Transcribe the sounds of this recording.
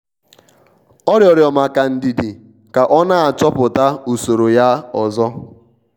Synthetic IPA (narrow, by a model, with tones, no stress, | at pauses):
ɔ˦ɾjɔ˨ɾjɔ˨ma˨ka˨n̩˨di˨di˨ | ka˨ʔɔ˦na˦a˨t͡ʃɔ˦pʊ˨ta˦o˨so˨ɾo˨ja˦ɔ˨zɔ˦